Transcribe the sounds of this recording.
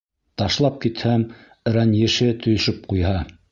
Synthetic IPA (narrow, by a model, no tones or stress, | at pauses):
t̪ɑʃlˠɑp̚kit̪hæm | ɾænjɘ̆ʃɘt̪ʰɵ̆jɵ̆ʃɵp̚qujɦɑ